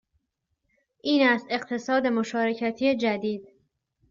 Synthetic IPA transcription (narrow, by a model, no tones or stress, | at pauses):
ʔiːnæst̪e̞qt̪ʰe̞sɒːd̪e̞moʃɒːɾe̞cʰæt̪ʰiːed͡ʒæd̪iːd̪̥̚